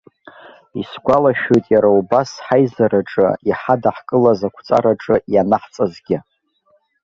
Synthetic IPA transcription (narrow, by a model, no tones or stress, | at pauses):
isɡʷalaʃᶣojtʼjaɾaubasħajzaɾaʈ͡ʂʼɨ̰iħadaħkʼɨlazakʷʰt͡sʼa̰ɾaʈ͡ʂʼɨjanaħt͡sʼazɡʲɪ